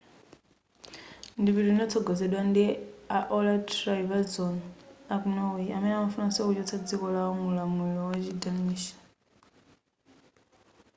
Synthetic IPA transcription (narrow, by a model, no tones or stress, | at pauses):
ndiβiɾinɔt͡sʰɔɡɔzɛɗwandiaʔɔlatɾaivazɔnakunawiamɛnɛamafunaskut͡ʃɔt͡sʰad͡zikɔlaɔmulamuɺɔwat͡ʃidamiːʃḁ